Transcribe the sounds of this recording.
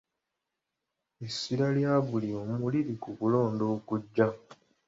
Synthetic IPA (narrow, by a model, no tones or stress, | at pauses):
esːiɾaljaːβulio̞ːmuliɾikuβulo̞ːndo̞ːkuɟːa